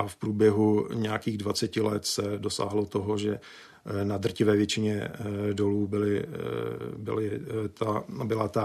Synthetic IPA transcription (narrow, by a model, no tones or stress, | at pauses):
ʔafpɾuːbjɛɦuɲɛjakiːɣdvat͡sɛcɪlɛt̪sɛdo̞sa̰ːɦlot̪oɦo̞ʒɛ | nad̪r̩cɪvɛːvjɛt͡ʃɪɲɛdo̞luːbɪlɪ | bɪ̰lɪt̪abɪlat̪a